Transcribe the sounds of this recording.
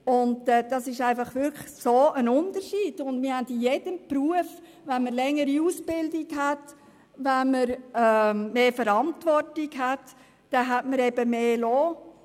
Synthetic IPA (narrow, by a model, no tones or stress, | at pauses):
ʊnɛːd̥ɑsɪʃæɪfɑχʋʏlkχsoːʔənʊndəʃiːd̥ʊndmɪhændijed̥əmpɾuəf | ʋænməɾlɛŋːəɾiusb̥ɪldiɡɦæt | ʋænməɾɛmeːfəɾɑntʋɔrtiɡɦætː | ɛɦætməɾɛbəmeːloː